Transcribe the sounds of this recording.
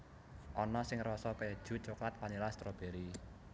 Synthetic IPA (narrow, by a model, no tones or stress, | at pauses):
ʔɔnɔsɪŋrɔsɔkəɛd̥ʒ̥ṳt͡ʃoklat̪̚panilast̪ɾob̥e̤ɾi